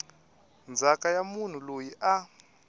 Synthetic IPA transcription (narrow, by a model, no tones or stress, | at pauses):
nd͡zʱakʼajamun̤ulojiʔa